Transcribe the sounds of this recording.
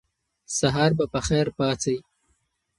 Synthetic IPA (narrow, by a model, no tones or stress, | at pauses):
saɦɑɾbapəxɛːɾpɑːt͡saj